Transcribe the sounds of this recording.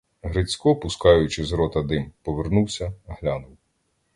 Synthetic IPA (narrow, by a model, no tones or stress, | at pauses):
ɦɾɪt͡sʲkɔpʊskɑjʊt͡ʃɪzɾɔt̪ɐd̪ɪmpɔʋernuwsʲɐɦlʲanʊw